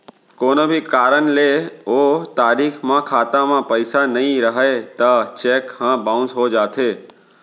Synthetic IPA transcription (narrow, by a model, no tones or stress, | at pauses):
koːnəbʱikaːɾənleoːt̪aːɾiːkʰmãkʰaːt̪ãmãpəɪsanəɦĩɾəɦet̪ət͡ʃeːkhãːbãʊ̃nsɦod͡ʒaːt̪ʰeː